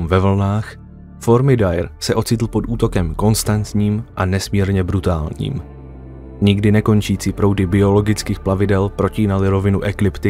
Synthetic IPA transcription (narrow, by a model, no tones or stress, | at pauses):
mvɛvl̩naːx | fo̞ɾmɪdajɾsɛʔo̞t͡sɪt̪l̩po̞t̪uːt̪o̞kɛmko̞nst̪ant̪ɲiːmʔanɛsmiːɾɲɛbɾut̪aːlɲḭːm | ɲɪɡdɪnɛko̞nt͡ʃiːt͡siːpɾo̞wdɪbɪo̞lo̞ɡɪt͡skiːxplavɪdɛlpɾo̞ciːnalɪɾo̞vɪnuʔɛklɪpt̪ɪ